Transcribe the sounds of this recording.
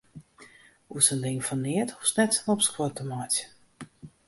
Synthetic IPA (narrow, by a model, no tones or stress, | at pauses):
uəsəndɪŋfɔnːiətusnɛtənɔpskwotəmat